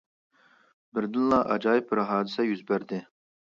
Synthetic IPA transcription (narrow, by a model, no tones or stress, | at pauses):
bɪɾd̪ɨnlˠɑʔɑ̰d͡ʒɑjpʰɨɾɦɑːd̪ɨsɛjyzbæɾd̪ɪ